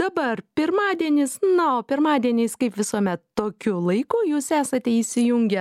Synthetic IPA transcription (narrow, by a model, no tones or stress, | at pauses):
d̥̪ɐbɐrpʲɪɾmɑːd̪ʲiɛnʲɪsnɐoːpʲɪɾmɑːd̪ʲiɛnʲeɪskɐɪpʋʲɪsuɔmʲɛt̪t̪oːkʲulˠɐɪkuːjuːsæːsɐt̪ʲɛiːʃʲsʲɪjʊŋʲɡʲɛ